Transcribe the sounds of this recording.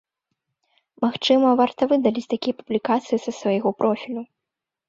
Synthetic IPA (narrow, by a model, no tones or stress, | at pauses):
maxt͡ʂɨmɐvart̪ɐvɨd̪ɐlʲit͡sʲt̪akʲijɐpublʲikat̪sɨjisɐsvajɛɣɔpɾʔɔfʲilʲu